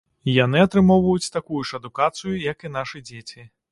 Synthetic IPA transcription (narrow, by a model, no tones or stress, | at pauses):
janɨɐt̪ɾɨmɔwvɐjut͡sʲt̪akujuʂɐd̪ukat̪sɨjujɐkin̪aʂɨd͡zʲet͡sʲi